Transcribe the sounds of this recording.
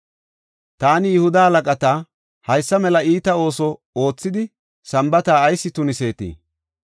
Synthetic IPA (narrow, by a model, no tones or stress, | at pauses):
t̪aːnɪjʊhʊd̪ɐhɐlɐkʼɐt̪a | hɐjsːɐmɛlɐiːt̪ɐo̞ːsɔ | o̞ːt͡sːɪd̪ɪ | sɐmbɐt̪aːjsːɪt̪ʊnɪse̞ːt̪ḭː